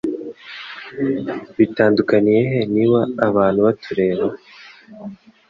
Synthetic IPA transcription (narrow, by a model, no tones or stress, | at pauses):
βitaːndukanije̞ɦe̞niβaːβaːn̥huβatʰuɾe̞ːɾo